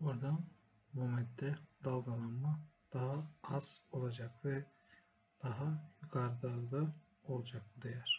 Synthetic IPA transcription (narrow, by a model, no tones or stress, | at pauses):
oɾd̪an | bumɛt̪d̪ɛd̪alˠɡanˠanmad̪̥aɦaaz̥o̞lˠad͡ʒakvɛ | d̪̥aɦajukʰaɾd̪aɾlˠɯ | o̞lˠd͡ʒak̚bud̪ejæɾ̥